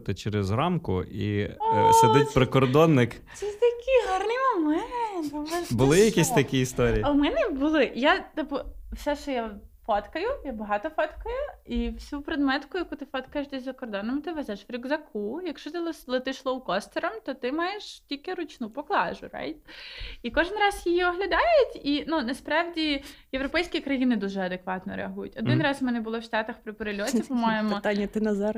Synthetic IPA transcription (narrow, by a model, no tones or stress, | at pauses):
t̪ɪt͡ʃɛɾɛzɾɑmkʊḭseɪtʲpɾɪkɔrd̪ɔnːɪk | t͡sʲɛst̪ɐkʲiɦɑrnimɐmɛnnt̪ɛbʊlˠɪjɐkʲisʲt̪ɐkʲiist̪ɔɾʲijɐwmɛnɛbʊlˠɪjat̪ɪpɔwsɛʃt͡ʃɔjafɔt̪kɐjʊjabɐɦɑt̪ɔfɔt̪kɐjʊiwsʲupɾed̪mɛt̪kʊjɐkut̪ɪfɔt̪kɐjeʃd̪ɛzʲzɐkɔrd̪ɔnɔmt̪ɪʋɛzɛʃʋɾʲiɡzɐkʰujɐkʃt͡ʃɔt̪ɪlˠlˠɐt̪ɪʃlˠɔwkɔst̪ɔɾɐmt̪ɔt̪ɪmɑjeʃtʲilʲkɪɾʊt͡ʃnupɔklˠɑ̰ʒʊ̰ɾɑ̰jt̪ʲikɔʒɪnrɑzjijiɔɦlʲɐd̪ɑjʊtʲinunɐspɾɑwdʲijewɾɔpɛjsʲkʲikɾɐjinɪd̪uʒɛɐd̪ekʋɑt̪nɔɾeɐɦujʊ̰tʲɔd̪ɪnrɑzmɛnɛbʊlˠɔwʃt̪ɑt̪ɐxpɾɪpɔɾelʲɔt̪ʲipɔmajemɔt̪anʲːɐt̪ɪnɐzɑɾ